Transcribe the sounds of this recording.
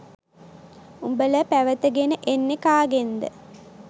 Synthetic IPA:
umbələpæʋət̪əɡenəʔenːekaːɡend̪ə̰

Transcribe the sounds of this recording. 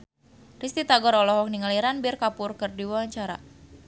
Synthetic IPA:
rist̪it̪aɡɔɾɔlɔɦɔk̚niŋaliɾanbirkapʊrkɨrdiwawaɲt͡ʃaɾa̰

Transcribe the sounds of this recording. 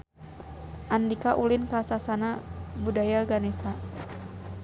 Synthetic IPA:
ʔandikaʔulinkasasanabudajaɡanɛsa

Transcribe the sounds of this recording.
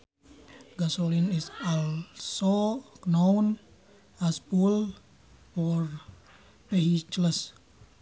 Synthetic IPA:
ɡasolinisɔlsonown | aspul | fɔr | peit͡ʃləs

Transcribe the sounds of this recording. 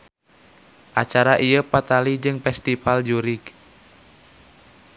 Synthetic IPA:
ʔat͡ʃaɾaʔiəpat̪alid͡ʒɨŋfɛst̪ifald͡ʒuɾik

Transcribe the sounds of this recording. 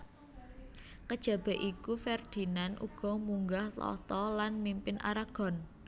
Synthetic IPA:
kəd̥ʒ̥a̤b̥ɛ̤ʔʔikufɛrd̪̥i̤nanʔṵɡ̥ɔ̤muŋɡaht̪ɔ̰t̪ɔlanmimpɪnʔa̰ɾaɡ̥ɔ̤n

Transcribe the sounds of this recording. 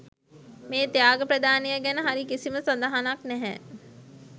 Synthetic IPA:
meːt̪jaːɡəpɾəd̪aːnejəɡænəɦaɾikisiməsɐnd̪aɦanaknɛɦɛ

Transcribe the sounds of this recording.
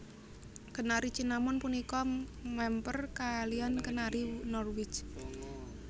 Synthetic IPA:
kənaɾit͡ʃinamʊnpunikɔmɛmpərkaliankənaɾinɔrwɪt͡ʃ

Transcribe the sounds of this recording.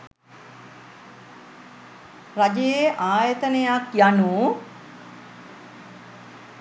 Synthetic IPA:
rad͡ʒejeʔaːjət̪ənejakjanuː

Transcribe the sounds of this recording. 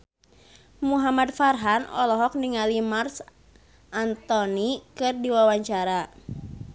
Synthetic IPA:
muɦamad̪farɦanʔɔ̰lɔɦɔk̚niŋalimars | ʔant̪ɔnikɨrdiwawaɲt͡ʃaɾa

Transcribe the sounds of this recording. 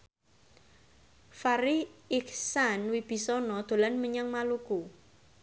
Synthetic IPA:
faɾiɪksanwib̥i̤sɔnɔd̪̥o̤lanməɲaŋmaluku

